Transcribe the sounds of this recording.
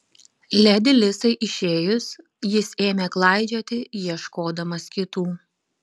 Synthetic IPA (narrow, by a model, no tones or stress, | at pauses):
lʲɛd̪ʲɪlʲɪsɐɪʔɪʃʲeːjʊs | jɪseːmʲeklˠɑˑɪd͡ʒʲoːt̪ʲɪjiɛʃkoːd̪ɐmɐskʲɪt̪uː